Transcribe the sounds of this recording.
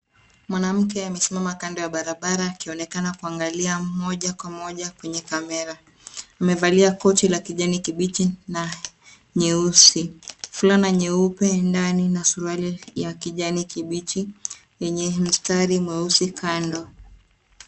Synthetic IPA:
mwanam̩k̬ɛamɛsimamakandɔjaɓaɾaɓaɾaːkiɔnɛkanakuaŋɡaliamɔʄakwamɔʄakwɛɲɛkamɛɾaː | mɛvaliakɔt͡ʃilakiʄanikiɓit͡ʃina | ɲɛusifulanaɲɛupɛndaninasuɾualijakiʄanikiɓit͡ʃi | jɛɲɛm̩staɾimwɛusikʰandɔ

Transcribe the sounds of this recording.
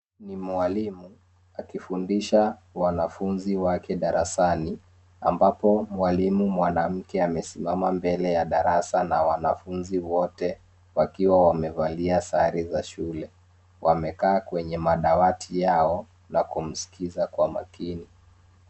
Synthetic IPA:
nimwalimu | akifundiʃawanafunziwakɛɗaɾʔa̰sani | a̰mbapɔmwalimumwanam̩kɛamɛsimamambɛlɛjaɗaɾasanawanafunziwɔtɛ | wakiwawamɛvaliasaɾizaʃulɛ | wʔamɛkaːkwɛɲɛmaɗawatʰijaɔ | nakum̩si̥kizakwama̰kini

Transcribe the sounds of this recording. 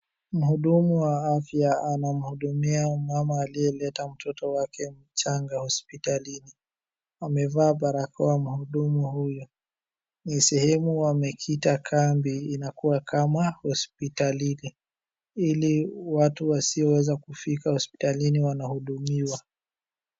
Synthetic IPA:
m̩huɗumuwaafjaanam̩huɗumiamamaːliɛlɛtam̩tʰɔtɔwakʰɛm̩t͡ʃaŋɡahɔspitalini | amɛvaːɓaɾakawam̩huɗumuhujɔ | nisɛhɛmuwamɛkʰitakʰambiːnakuwakamahɔspitalini | iliwatuwasiɔwɛzakufikahɔspi̥taliniwanahuɗumiwa

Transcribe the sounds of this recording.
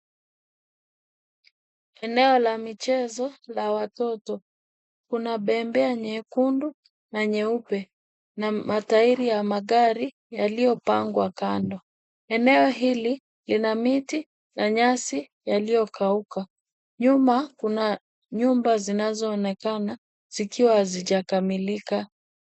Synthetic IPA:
ɛnɛɔlamit͡ʃɛzɔlawatɔtɔ | kunaɓɛmbɛaɲɛkundu | naɲɛupɛ | namataiɾijamaɠaɾi | jalijɔpaŋɡwakandɔ | ɛnɛɔɦili | linamiti | naɲasi | jalijɔkʰauka | ɲumakuna | ɲumbazinazɔːnɛkana | z̥ikiwaziʄakamilika

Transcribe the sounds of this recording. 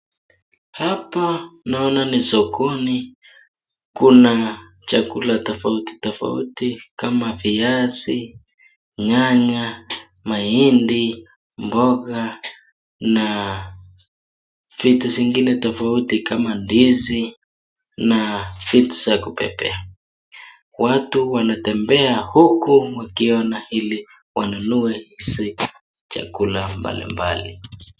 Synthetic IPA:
hapanaɔnanisɔkɔni | kuna | t͡ʃakulatɔfauti̥tɔfa̰ṵtikamaviasi | ɲaɲa | maindi | mbɔɣa | na | fitusiŋɡinɛtɔfautikamandizi | nafitu̥sakupɛ̰pɛ̰a | watuwanatɛmbɛahukuwakiɔnahili | wanunuɛhisi | t͡ʃa̰kulamba̰lḭmba̰lḭ

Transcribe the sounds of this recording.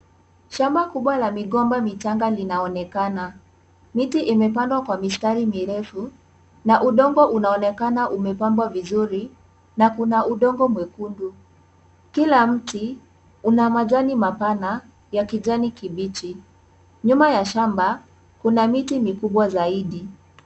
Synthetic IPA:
ʃambakuɓwalamiɠɔmbamit͡ʃaŋɡalinaɔnɛkana | mitiʔimɛpandwakwamistaɾimiɾɛfu | naʔuɗɔŋɡɔʔunaɔnɛkanaʔumɛpambwavizuɾi | nakunaʔuɗɔŋɡɔmwɛkundu | kilam̩ti | unamaʄanimapana | jakiʄanikiɓit͡ʃi | ɲumajaʃamba | kunamitimikuɓwazaiɗi

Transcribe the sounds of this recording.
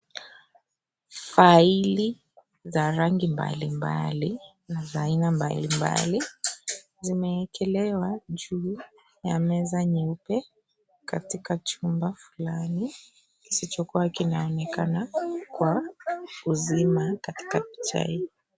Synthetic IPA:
faili | zaɾaŋɡimba̰limba̰li | nazaːinamba̰limba̰li | zimɛkɛlɛwaʄuː | jamɛzaɲɛupɛ | katikat͡ʃumbafulani | kisit͡ʃɔkuwakinaɔnɛkanakwa | uzimakati̥kapi̥t͡ʃa̰i

